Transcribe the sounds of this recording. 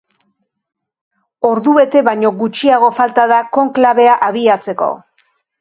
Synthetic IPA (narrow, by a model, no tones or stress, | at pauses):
o̞ɾðuβe̞t̪e̞βajɲo̞ɣut͡ʃiaɣ̞o̞falt̪aðako̞ŋklaβe̞aʔaβiat͡se̞ko̞̰